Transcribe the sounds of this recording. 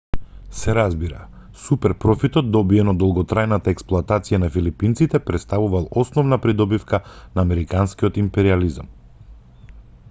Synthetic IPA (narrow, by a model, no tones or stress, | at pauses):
sɛɾazbiɾa̰ | supɛɾpɾɔfit̪ɔt̪̚d̪ɔbiɛnɔd̪ɔlˠɡɔt̪ɾajnat̪aɛksplˠoat̪at̪sijanafilipint̪sit̪ɛpɾɛt̪st̪avuvalˠɔsnɔvnapɾid̪ɔbifkanaːmɛɾikanskijɔt̪impɛɾializam